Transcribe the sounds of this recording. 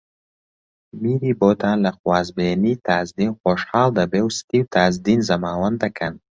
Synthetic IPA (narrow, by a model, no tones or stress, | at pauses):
miːɾiːbot̪ʰaːnlɐxwaːzbeːnit̪ʰaːzd̪inxoːʃhaːld̪ɐbeːwst̪iwt̪ʰaːzd̪inzɐmaːwɐnd̪ɐkʰɐn